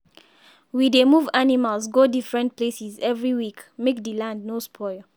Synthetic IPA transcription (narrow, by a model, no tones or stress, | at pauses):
widemuvanimalsɡodifɹɛ̃nt̚plesizɛvɹiwikmek̚dilãndnospʰɔɪl